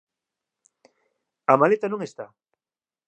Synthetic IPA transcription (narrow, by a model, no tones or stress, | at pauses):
amalet̪anõŋest̪a